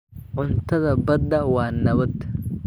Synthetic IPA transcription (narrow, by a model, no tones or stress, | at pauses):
ʔʊnt̪ɐd̪ɐbɐd̪ɐwaːnːɐβɐd̪